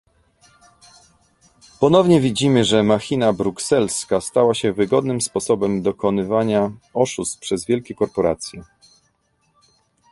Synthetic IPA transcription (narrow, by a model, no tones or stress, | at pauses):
pɔnɔvɲɛvʲid͡ʑimɘʐɛmaxʲinabɾuksɛlskast̪awaɕɛvɘɡɔd̪nɘmspɔsɔbɛmd̪ɔkɔnɘvaɲaɔʂust̪pʂɛzvʲjɛlkʲɛkɔɾpɔɾat̪sʲjɛ